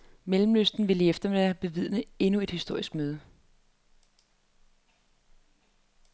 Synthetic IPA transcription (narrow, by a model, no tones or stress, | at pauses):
melm̩løsd̥n̩ʋe̝ləefd̥ɐʋæɐb̥e̝ʋið̞̰ˠnəe̝nue̝d̥hisd̥o̝ɐ̰isɡ̥møːð̞ˠə